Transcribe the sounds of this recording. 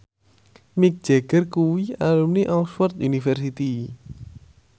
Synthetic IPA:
mik̚d͡ʒ̥ɛɡ̥ərkuwialumniʔɔlswɔrt̪unifɛrsit̪i

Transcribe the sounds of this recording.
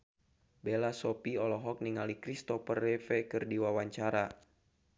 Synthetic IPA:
belasɔpiɔlɔɦɔk̚niŋalikɾist̪ɔfərːɛfɛkɨrdiwawaɲt͡ʃaɾa

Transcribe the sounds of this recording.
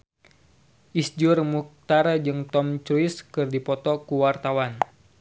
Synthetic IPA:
ʔisd͡ʒurmuk̚t̪aɾad͡ʒɨŋt̪ɔmt͡ʃuiskɨrdipɔt̪ɔkuwart̪awan

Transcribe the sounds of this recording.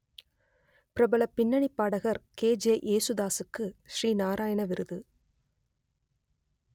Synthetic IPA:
pɪɾɐbɐlɐpːɪɳːɐɳipːaːɽɐɣɐɾkeːd͡ʒeːʔeːsʊðaːsɯkːɯʃriːnaːɾaːjɐɳɐʋɪɾɯðɯ

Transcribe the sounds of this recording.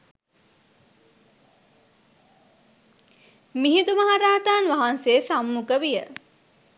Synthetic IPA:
miɦit̪umaɦaɾaːt̪aːnʋaɦansesamːukəʋijə

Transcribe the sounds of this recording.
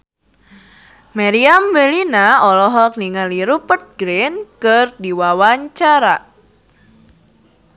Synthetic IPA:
maɾiamwelinaɔlɔɦɔk̚niŋaliɾupət̪̚ɡɾɪnkərdiwawaɲt͡ʃaɾa

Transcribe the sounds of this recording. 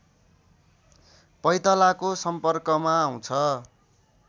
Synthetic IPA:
pʌjt̪ʌlakosʌmpʌrkʌmaɦũt͡sʰʌ

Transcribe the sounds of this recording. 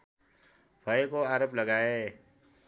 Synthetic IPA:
bʱaekoaːɾəpləɡaːe

